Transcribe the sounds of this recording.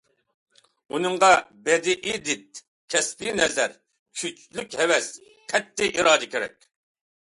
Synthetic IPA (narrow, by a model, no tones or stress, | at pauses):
unɨɴʁɑbɛd̪ɪʔɪd̪ɪt̪̚ | kʲʰɛspinɛzɛɾ | kʲʰyt͡ʃlykʲhɛwɛs | qʰɛt̪ʰːɪʔiɾɑːd̪ɪkʲʰeɾɛ̰kʲ